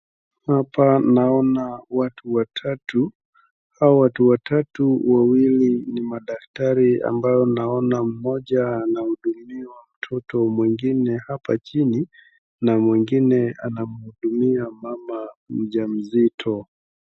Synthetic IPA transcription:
hapanaɔnawatuwatʰatu | hawawatuwatatuwawilinimaɗaktaɾia̰mbajɔnaɔnam̩mɔʄaːnahuɗumiwam̩tʰɔtɔmwɛŋɡinɛhapat͡ʃini | namwɛŋɡinɛa̰namuhuɗumiamamamm̩ʄam̩zitʰɔ

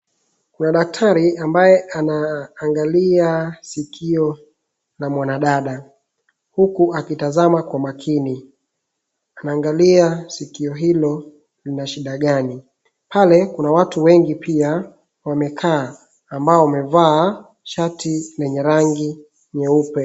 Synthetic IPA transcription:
kunaɗak̚tʰaɾiambajɛʔanaːŋɡaliasikʰiɔ | lamwanaɗaɗa | hukuʔakitazamakwamakʰini | anaːŋɡaliasikiɔɦilɔ | linaʃiɗaɠani | palɛkunawatuwɛŋɡipia | wamɛkʰaː | mbaɔwamɛvaː | ʃatʰilɛɲɛɾaŋɡi | ɲɛupɛ

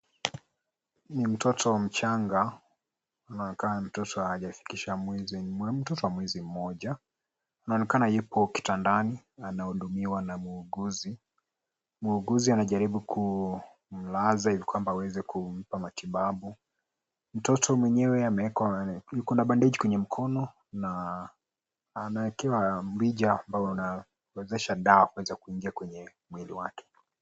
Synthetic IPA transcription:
nim̩tɔtʰɔwam̩t͡ʃaŋɡa | anaɔnɛkananim̩tɔtɔaaʄafi̥kiʃamwɛziɛm̩tɔtɔwamwɛzim̩mɔʄaː | naɔnɛkanajupʰɔki̥tandani | anahuɗumiwanamuːɡuzi | muːɡuzianaʄaɾiɓukʰu | m̩lazahivikwambaːwɛzɛkʰum̩pamatiɓaɓu | m̩tɔtʰɔmwɛɲɛwɛamɛɛkwajukɔnaɓandɛʄikwɛɲɛm̩kʰɔnɔ | na | naɛkɛwamwiʄaːmbajɔuna | wɛzɛʃaɗaakuwɛzakuiŋɡiakwɛɲɛ | mwiliwakʰɛ̥

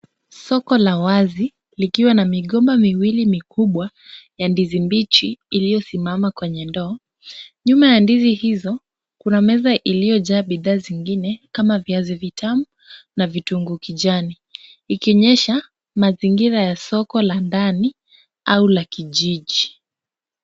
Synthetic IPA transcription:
sɔkɔlawazi | likiwanamiɠɔmbamiwilimikuɓwa | jandizimbit͡ʃiːlijɔsimamakwɛɲɛndɔː | ɲumajandizihizɔ | kunamɛzaʔilijɔʄaːɓiðaːziŋɡinɛkamaviazivitʰamu | navituŋɡukiʄaniː | kiɔɲɛʃa | maziŋɡiɾajasɔkɔlandani | aulakiʄiʄi

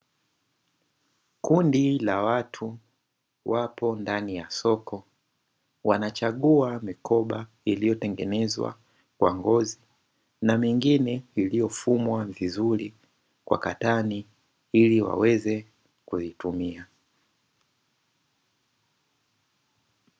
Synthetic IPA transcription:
kundilawatʰu | wapɔndanijasɔkʰɔ | wanat͡ʃaɠuamikʰɔɓa | ilijɔtɛŋɡɛnɛzwa̰ | kwa̰ŋɡɔzi | namiŋɡinɛilijɔfumwavizuɾi | kwa̰katani | iliwa̰wɛzɛ | kuzitumia

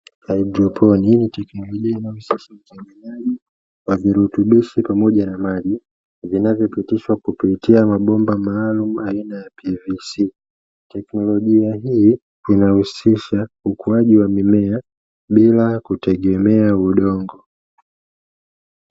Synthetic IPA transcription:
aid͡ʒɔpʰɔniinitɛknɔlɔʄiainahusiʃautɛŋɡinaʄi | waviɾutuɓiʃipamɔʄanamaʄi | vinavjɔpitiʃwakupitiamaɓɔmbamaːlumuainajapʰivisi | tɛknɔlɔʄiaɦiː | inahusiʃaukuaʄiwamimɛa | ɓilakutɛɠɛmɛauɗɔŋɡɔ

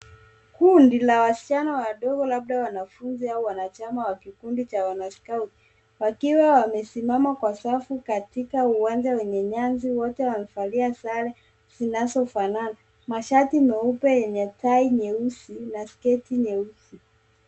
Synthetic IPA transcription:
kundilawasi̥t͡ʃanawaɗɔɡɔlaɓ̚ɗawanafunziauwanat͡ʃamawakikundit͡ʃawanaskauti̥ | wakiwawamɛsimamakwasafukatikauwand͡ʒawɛɲɛɲanziwɔtɛwamɛfaliasalɛ | z̥inazɔfanana | maʃatimɛupɛjɛɲɛtaiɲɛusinaskɛtiɲɛusi

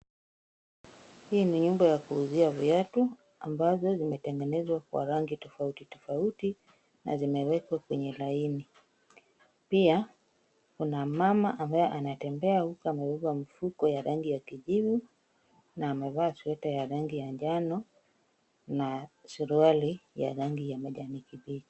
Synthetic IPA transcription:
hiniɲumbajakuːziaviatu | a̰mbazɔzimɛtɛŋɡɛnɛzwakwa̰ɾaŋɡitɔfautitɔfauti | na̰zimɛwɛkwakwɛɲɛlaini | pia | kunamama̰ʔambajɛʔanatɛmbɛahukɔamɛvuvamifukɔjaɾaŋɡijakiʄivu | naːmɛvaːsuɛtajaɾaŋɡijaɲd͡ʒanɔ | nasuɾualija̰ɾaŋɡijamaʄamikibi̥

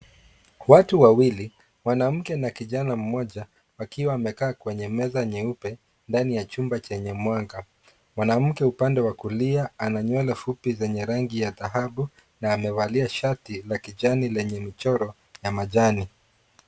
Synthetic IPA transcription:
watuwawili | mwanam̩kɛnakiʄanam̩mɔʄa | wakiwaːmɛkaːkwɛɲɛmɛzaɲɛupɛ | ndanijat͡ʃumbat͡ʃɛɲɛmwaŋɡa | mwanam̩kɛupandɛwakuliaanaɲwɛlɛfupizɛɲɛɾaŋɡijaðaɦaɓu | naːmɛvaliaʃatilakiʄanilɛɲɛmit͡ʃɔɾɔ | jamaʄani

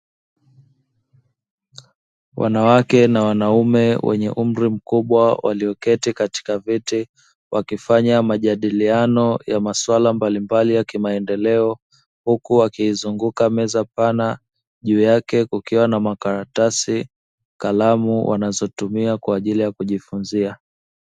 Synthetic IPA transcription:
wʔa̰nawakɛnawanaumɛwʔɛ̰ɲɛ̰ʔum̩ɾim̩kuɓwawa̰liɔkɛtikati̥kaviti | wʔakifaɲamaʄaɗilianɔjamaswalambalimbalijakimaɛndɛlɛɔ | hukuwakiːzuŋɡukamɛzapana | ʄuːjakɛkukiwanamakaɾatasi | kalamuwʔa̰nazɔtumiakwaːʄilijakuʄifunzia

